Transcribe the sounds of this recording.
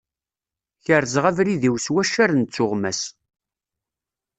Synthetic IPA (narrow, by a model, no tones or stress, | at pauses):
çəɾzʁævɾiðiwswæʃæɾnt͡sːʊʁmæs